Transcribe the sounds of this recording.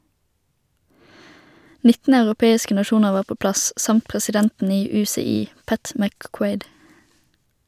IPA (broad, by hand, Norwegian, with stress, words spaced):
ˈnɪtn̩ ɑʉʁʊˈpeːɪskə nɑˈʃuːnəʁ ˈʋɑːʁ ˈpoː ˈplɑs ˈsɑmt pʁɛsɪˈdɛntn̩ ˈiː ˌʉːsɛˈiː ˈpæt mækˈkweɪd